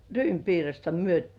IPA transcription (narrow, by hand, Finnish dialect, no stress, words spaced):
ryːmpiːrɑstɑ myø